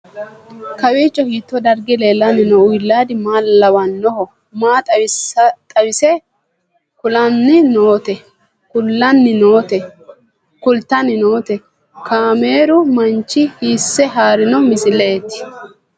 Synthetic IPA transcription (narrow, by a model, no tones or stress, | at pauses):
kɐwiːt͡ʃʼːɔhiːt̪ːɔd̪ɐɾɡɪle̞ːlːɐnːɪnɔʊjlːaːd̪ɪmaːlːɐwɐnːɔhɔ | maːt̪ʼɐwɪsɐt̪ʼɐwɪsɛ | kʊlɐnːɪnoːt̪ɛ | kʊlːɐnːɪno̞ːt̪ɛ | kʊlt̪ːɐnɪnoːt̪ɛ | kʰaːme̞ːɾʊmɐnt͡ʃːɪhiːsːɛɦaːɾɪnɔmɪsɪleːt̪ːɪ̥